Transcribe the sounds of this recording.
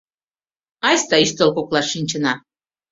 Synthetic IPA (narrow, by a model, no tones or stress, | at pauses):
ɑjst̪ɑiʃt̪ə̆lkoklɑʃːinʲt͡ɕə̆nɑ